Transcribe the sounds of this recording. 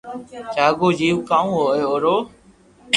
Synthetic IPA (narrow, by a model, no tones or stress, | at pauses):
t͡ʃaːɡoːd͡ʒiːʋkaːũːɦoːeːoːɾoː